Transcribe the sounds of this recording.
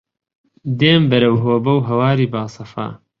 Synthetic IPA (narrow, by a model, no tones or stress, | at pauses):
d̪eːmbɐɾɐwɦoːbɐwɦɐwaːɾiːbaːsɐfa̰ː